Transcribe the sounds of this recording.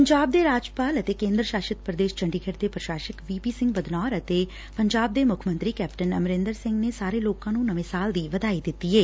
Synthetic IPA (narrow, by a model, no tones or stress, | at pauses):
pəɲd͡ʒaːb̚d̪eːɾaːd͡ʒpaːlət̪eːkẽːnd̪ɾəʃaːʃɪt̪pɾəd̪eːʃt͡ʃə̃ɳɖiːkʰeʈd̪eːpɾəʃaːʃəkʋiːpiːsɪ̃ŋɡbəd̪naːɾət̪eː | pəɲd͡ʒaːb̚d̪eːmʊkʰmə̃nt̪ɾiːkɛːpʈənəmɾɪ̃nd̪əɾsɪ̃ŋɡneːsaːɾeːloːkãːnũːnəʋẽːsaːld̪iːʋəd̪aːiːd̪ɪt̪ːieː